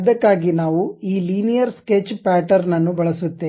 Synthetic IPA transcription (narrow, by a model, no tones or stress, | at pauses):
d̪ɐkːaːɡinaːʋuiːliːnijɐɾskeːt͡ʃːpaːʈɐɾnɐnːubɐɭɐsut̪ːe